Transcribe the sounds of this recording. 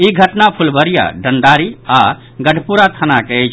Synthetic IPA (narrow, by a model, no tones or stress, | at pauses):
iɡʱəʈnapʰulbəɾija̰ɖənd̪aɾia | ɡəɖʱpuɾat̪ʰənaket͡ʃʰ